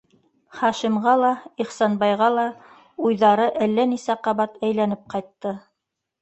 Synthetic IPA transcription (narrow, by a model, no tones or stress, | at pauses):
χɑʃimʁɑlˠɑiχsɑnbɑjʁɑlˠɑ | ujðɑɾɤʔælːænisæqɑβɑt̪æjlænɘp̚qɑjt̪ːɤ